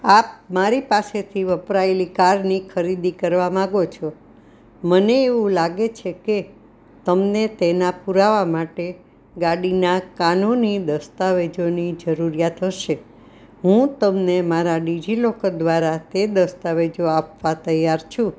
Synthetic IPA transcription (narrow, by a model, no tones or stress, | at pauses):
ap̚maɾipaset̪ʰiʋəpɾaelikaɾnikʰəɾid̪ikəɾʋamãɡot͡ʃʰo | məneːʋũlaɡet͡ʃʰeke | t̪əmnet̪enapuɾaʋamaʈe | ɡaɽinakanonid̪əst̪aʋed͡ʒonid͡ʒəɾuɾijat̪ɦəʃe | ɦũt̪əmnemaɾaɖid͡ʒilokəd̪ʋaɾat̪ed̪əst̪aʋed͡ʒoapʋat̪əjaɾt͡ʃʰũ